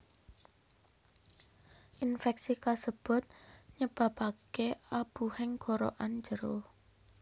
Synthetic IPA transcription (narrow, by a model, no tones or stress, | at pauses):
ʔinfɛk̚sikasəb̥ʊ̤t̪̚ɲəb̥a̤pakeab̥uhɪŋɡ̥ɔɾo̰ʔand͡ʒəɾo